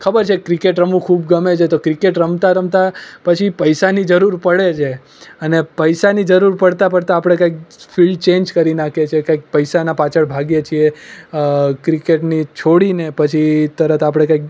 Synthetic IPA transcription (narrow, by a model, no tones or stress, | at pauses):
kʰəbəɾt͡ʃʰekɾikeʈɾəmũkʰubɡəmet͡ʃʰet̪okɾikeʈɾəmt̪aɾəmt̪apət͡ʃʰipəjsanid͡ʒəɾuɾpəɽet͡ʃʰe | ənepəjsanid͡ʒəɾuɾpəɽt̪apəɽt̪aːpɽ̃ekãik̚filɖt͡ʃẽnd͡ʒkəɾinakʰet͡ʃʰekãjk̚pəjsanapat͡ʃʰəɭbʱaɡjet͡ʃʰie | kɾikeʈnit͡ʃʰoɽinepət͡ʃʰit̪əɾət̪ʰapɽ̃ekãik̚